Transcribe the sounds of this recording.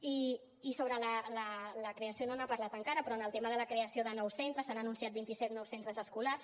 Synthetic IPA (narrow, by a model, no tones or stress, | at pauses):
iː | soβɾələlələkɾeəsiononapəɾlat̪əŋkaɾəpɾɔənəlˠt̪eməðələkɾeəsioðənɔwsent̪ɾəsanənunsiat̪̚bint̪isɛt̪nɔwsent̪ɾəzəskulas